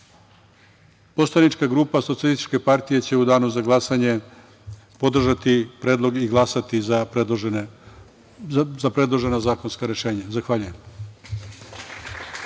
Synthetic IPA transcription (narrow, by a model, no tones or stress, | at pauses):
po̞slˠanit͡ʃkaɡɾuːpasoielist̪i̥t͡ʃke̞paɾt̪ije̞t͡ɕe̞ud̪aːnuzaɡlˠasaɲe̞ | po̞d̪r̩ʒat̪ipɾeːd̪lˠo̞ɡiɡlˠasat̪iza | zapɾe̞d̪lˠoʒe̞nazaːko̞nskaɾe̞ʃe̞ːɲazaxʋaːʎujem